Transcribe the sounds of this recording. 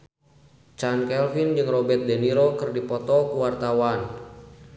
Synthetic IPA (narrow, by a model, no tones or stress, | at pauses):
t͡ʃankɛlfind͡ʒɨŋrɔbɛrt̪̚dɛniɾokɨrdipɔt̪ɔkuwart̪awan